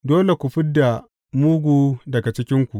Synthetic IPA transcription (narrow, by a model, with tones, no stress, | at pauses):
doː˦le˨kʷu˨ɸɪ˦dːa˨ | muː˦ɡʷuː˨˦dɐ˨ɡa˨t͡ʃɪ˦kʲɪ˦ŋkʷu˨ʔ